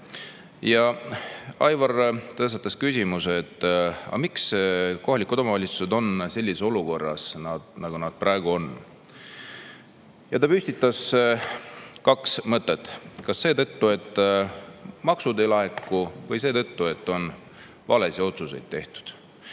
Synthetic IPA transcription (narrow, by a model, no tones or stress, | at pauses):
jɑ | ɑjvɑrt̪ɤst̪ɑt̪ːˑɑskysʲimuseːt̪ːɑ̰miksko̞ɦɑlʲikːˑut̪omɑvɑlʲit̪su̥se̞d̪o̞nse̞lʲːiseo̞luko̞rːɑ̰snɑd̪nɑɡ̥unɑd̪̥̚prɑeɡ̥uo̞n | jɑt̪ɑpysʲt̪it̪ːˑɑs | kɑksmɤt̪ˑːe̞t̪ːˑkɑsːe̞ːt̪ɤt̪ːue̞t̪ˑː | mɑksud̪e̞jlɑɦekːˑuvɤjse̞ːt̪ɤt̪ːue̞t̪ːo̞n | vɑle̞sio̞t̪susejd̪̥̚t̪ːe̞ht̪u̥d̪̥